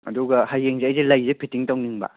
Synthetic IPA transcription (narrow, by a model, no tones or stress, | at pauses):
ɐ̰duɡɐhajːeŋzeːjzelɐjzepʰitiŋtawniŋbɐ̰